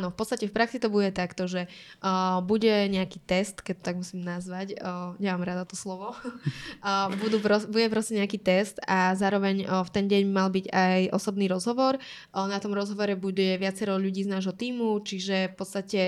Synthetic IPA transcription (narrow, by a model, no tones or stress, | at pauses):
anɔfpɔt̪t͡st̪acɛfpɾaksit̪ɔbuɟɛt̪akt̪ɔʒɛ | buɟɛɲɛakiːt̪ɛst̪kɛc̚t̪ɔ̥t̪aɡmusiːmnazʋacːɲɛmaːmɾad̪at̪ɔslɔʋɔ | bud̪uːpɾɔbuɟɛpɾɔscɛɲɛakiːt̪ɛst̪azaːɾɔʋɛɲft̪ɛnɟɛɲbimalbiɟajʔɔsɔbniːɾɔzɦɔʋɔɾ | nat̪ɔmɾɔzɦɔʋɔɾɛbuɟɛʋɪat͡sɛɾɔʎuɟiːznaːʒɦɔt̪iːmut͡ʃiʒɛfpɔt̪st̪acɛ